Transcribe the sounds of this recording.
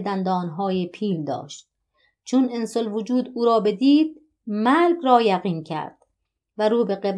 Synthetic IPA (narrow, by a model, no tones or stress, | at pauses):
d̪ænd̪ɒːnɦɒːjepʰiːld̪ɒ̰ːʃt̪̚ | t͡ʃʰonensolvod͡ʒuːd̪uːɾɒːbe̞d̪iːd̪̚ | mælɡɾɒːjæɣiːncʰæ̰ɾd̪̥ | væɾuːbe̞ɣeb